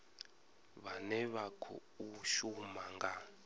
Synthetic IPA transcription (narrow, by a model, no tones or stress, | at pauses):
βanɛβakʰɔ̰uʃumaŋɡa